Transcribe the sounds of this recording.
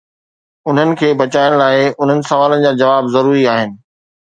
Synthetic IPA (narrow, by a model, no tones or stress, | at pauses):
ʊn̤ənɪ̆kʰeːbɐt͡ɕaːjəɽ̃laːɪʊn̤ənɪ̆sɐʋaːlənɪ̆d͡ʑaːd͡ʑɐʋaːbzɐɾuːɾiaːɦɪnɪ̆